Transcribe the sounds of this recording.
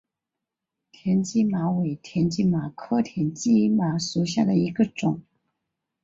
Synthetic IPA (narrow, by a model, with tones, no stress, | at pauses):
t̪ʰjɛ˧˥nt͡ɕi˥˩ma˧˥we˧˨˩ɪt̪ʰjɛ˧˥nt͡ɕi˥ma˨˩kʰɤ˥˧t̪ʰjɛ˧˥nt͡ɕi˥ma˨˧˥ʂu˨˧˩ɕ̬ja˥˩d̪ə˩i˧˥ɡə˧ʈ͡ʂʊ˨˩˦ŋ